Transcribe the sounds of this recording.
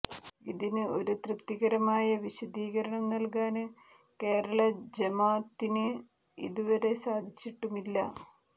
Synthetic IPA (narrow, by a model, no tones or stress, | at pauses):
iðinɨo̞ɾut̪rɨpt̪iɣɐɾɐmaːjɐʋiɕɐd̪iːɣɐɾɐɳɐmnɐlkaːnɨ | ke̞ːɾɐɭɐd͡ʑemaːt̪ːinɨ | ḭðuʋɐɾe̞saːd̪ʱit͡ɕːiʈːumilːɐ